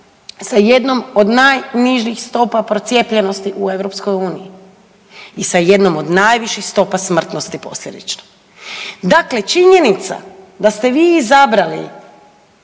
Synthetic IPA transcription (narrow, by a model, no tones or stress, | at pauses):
saje̞d̪no̞mo̞d̪naːjniʒixst̪o̞papɾo̞t̪sje̞pʎe̞no̞st̪iʔue̞ʋɾo̞psko̞juːniji | isaje̞d̪no̞mo̞d̪naːjʋiʃixst̪o̞pasmr̩t̪no̞st̪ipo̞̰slʎʲe̞d̪ḭt͡ʃno̥ | d̪akle̞t͡ʃiɲe̞nit̪sa̰ | d̪ast̪e̞ʋiːizabɾalḭ